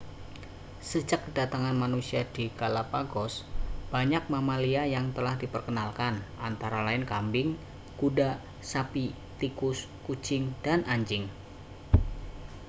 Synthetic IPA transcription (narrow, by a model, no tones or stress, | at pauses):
səd͡ʒak̚dat̪aŋanmanusiad̥ikalapaɡɔsb̥aɲak̚mamaliajaŋt̪əlahdipərkənalkanʔant̪aɾalaɪnkambɪŋ | kuda | sapi | t̪ikʊs | ku̥d͡ʒɪŋd̥anʔaɲd͡ʒɪŋ